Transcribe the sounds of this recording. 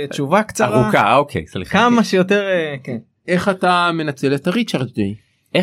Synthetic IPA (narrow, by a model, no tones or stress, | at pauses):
t͡ʃuvakt͡saaʁuka̰okʰḛjslḭχkamaʃejoteʁeken | e̞χatame̞nat͡se̞let̪aʁit͡ʃaʁt̪dej | ʔe